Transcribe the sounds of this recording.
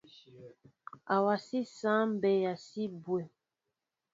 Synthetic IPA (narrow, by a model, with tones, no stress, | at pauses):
a˨wa˨si˦sã˦m˦bɛ˨ja˨si˦bwɛ˨